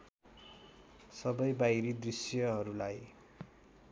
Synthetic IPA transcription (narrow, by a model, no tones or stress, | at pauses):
sʌbʌjbajɾid̪risjʌɦʌɾulaj